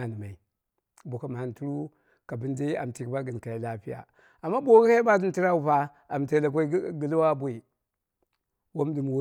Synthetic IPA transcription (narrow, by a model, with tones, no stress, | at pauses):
n˨ma˨i˨ | bo˨ka˦ma˨a˨n˨tu˦ɾu˦ | ka˨bi˦n˦de˦a̰˨m˨ti˨kba˦ɡə˨n˨ka˨ji˨la˦pi˦ja̰˨ | a˨mːa˦bo˦ɡi˦ha˦i˦ba˦di˦n˦ti˦ɾa˦u˨pa˦ | a˨mti˨˦la˨k̬ʷo˦i˦ɡə˦lwa˦bʷo˦˨i˨ | wo˦m˦di˨m˨wo˦